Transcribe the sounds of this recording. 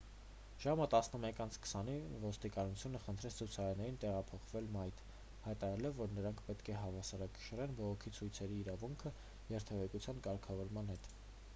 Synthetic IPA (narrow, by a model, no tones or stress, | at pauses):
ʒ̥ɑmət̪ɑsnəmɛkɑnt͡sʰkʰə̥sɑnivɔst̪ikɑnut͡sʰjunəχənt̪ʰɾɛt͡sʰt͡sʰut͡sʰɑɾɛɾnɛɾint̪ɛʁɑpʰɔχvɛlmɑjt̪ʰ | hɑjt̪ɑɾɑɾɛlɔvːɔɾnəɾɑŋkʰpɛt̪kʰɛɦɑvɑsɑɾɑkə̥ʃəɾɛnbɔʁɔkʰit͡sʰujt͡sʰɛɾiːɾɑvuŋkʰə | jɛɾt̪ʰɛvɛkut͡sʰjɑnkɑɾkʰɑvɔɾmɑnhɛt̪